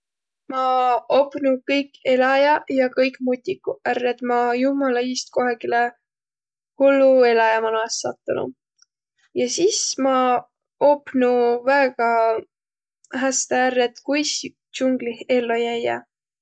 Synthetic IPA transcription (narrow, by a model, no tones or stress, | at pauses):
mɑopnukɤjkːe̞lɑjɑjɑkɤjkˑmut̪ʲːikːuærːed̪̥mɑjumɑlɑiːst̪̚ko̞ɦɑɡ̥ile | hulːue̞lɑjɑmɑnoɑsːɑt̪ːˑunṵ | jɑsismɑ | opːnuvæeɡ̥ɑ | ɦæst̪eærːet̪kujs | t͡ʃuŋɡ̥lihe̞lːojæjɑ̰